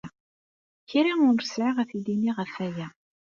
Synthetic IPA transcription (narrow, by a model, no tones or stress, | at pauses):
çiɾamʊɾsʕaʁæθid̪iniʁəfæjæ